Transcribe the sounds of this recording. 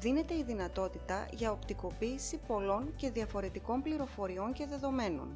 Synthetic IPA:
ðine̞t̪e̞iðinɐt̪o̞t̪it̪ɐʝɐo̞pt̪iko̞piːsipo̞lo̞nce̞ðiɐfo̞ɾe̞t̪iko̞mpliɾo̞fo̞ɾio̞ɲce̞ðe̞ðo̞me̞no̞̰n

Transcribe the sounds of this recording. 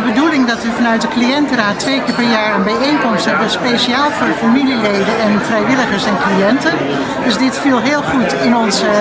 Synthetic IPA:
əbədulɪŋdɑtʋəfɑnœɥt̚dəklijɛntəraːtːʋejkɪːɹpɛɹjaːɹaːnbɛjeŋkɔmstɦɛbəspejʃiaːlˠvʊːɹdəfamililejdənɛnfrɛjʋɪləχəɹsɛnklijɛntən | d̥ɵzdɪtfilˠɦɪːlˠχutɪnɔnzə

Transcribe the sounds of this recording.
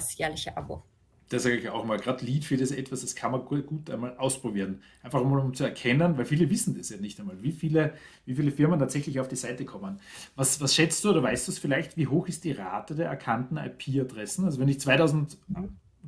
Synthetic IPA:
sjɛːɐlɪçəʔa̰bo̰ | d̥asaːɡəɪçaʊxæmaːlɡʁaːtliːtfɪɪsɛtv̥asd̥askʰanmɐɡ̥uːta̰ɪnmaːlʔaʊspʁ̥obiːɐʁənʔaɪnfaχʊmaːlʊmt͡suɛɐkʰɛnənvæɪlfiːləvɪsn̩d̥asjanɪçtæɪnmaːlviːfiːlə | viːfiːləfɪɐməntʰaːtsɛçlɪçaʊfd̥iːzaɪtəkʰɔmənvasvasʃɛt͡std̥uʔoːdɐvaɪstd̥usfɪlaɪçtv̥iːɦoːxɪst̚d̥iːʁaːtədeːɐɛɐkʰantn̩a̰ɪpʰiːadʁɛsn̩alz̬ovɛnɪçt͡svaɪtaʊzn̩t

